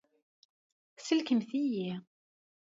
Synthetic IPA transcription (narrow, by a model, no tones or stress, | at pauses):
səlkəmθiji